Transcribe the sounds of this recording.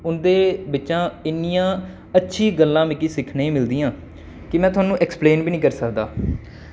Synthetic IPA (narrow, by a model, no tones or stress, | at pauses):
ʊnd̪eːbɪtːʃãːɪnːijãː | ətːʃʰiːɡəlːãːmɪkiːsɪkʰnːĩːmɪld̪iːãː | kɪmɛ̃ːt̪̬ʰʊaːnũːʔɛkspleːnbiːnĩːkəɾsəkd̪aː